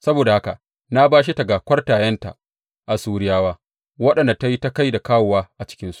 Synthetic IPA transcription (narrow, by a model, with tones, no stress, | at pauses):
sɐ˦boː˨da˨ha˦ka̰˨ | na˦baː˦ʃi˦ta˨ɡaː˨kʷɐ˦rtaː˨jɐ˦nta̰˨ | ʔa˨suː˦ɽɪ˦jaː˦waː˦ | wɐ˦ɗɐ˨nda˨ta˦ji˦ta˦ka˦jda˨kaː˦wʊ˨waː˦ʔa˨t͡ʃɪ̥˦kʲɪ˦nsu̥˦ʔ